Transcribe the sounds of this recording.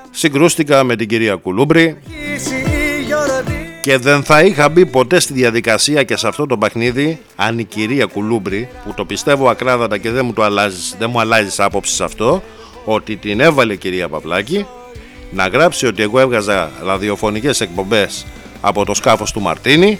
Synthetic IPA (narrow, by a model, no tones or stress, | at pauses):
siɡɾust̪ikɐme̞t̪iɟiɾiɐkulubɾi | ce̞ðe̞nθɐixɐbipo̞t̪e̞st̪iðjɐðikɐsiɐce̞sɐft̪o̞t̪o̞pe̞xniði | ɐniciɾiɐkulubɾiput̪o̞pist̪e̞voɐkɾɐðɐt̪ɐce̞ðe̞mut̪oɐlɐzisðemuɐlɐzisɐpo̞psi̥sɐft̪o̞ | o̞t̪it̪ine̞vɐleciɾiɐpɐ̰vlɐci | nɐɣɾɐpsio̞t̪ie̞ɣo̞e̞vɣɐzɐɾɐðio̞fo̞nice̞se̞k̚po̞mbe̞s | ɐ̰po̞t̪o̞skɐfo̞st̪umɐ̰ɾt̪ini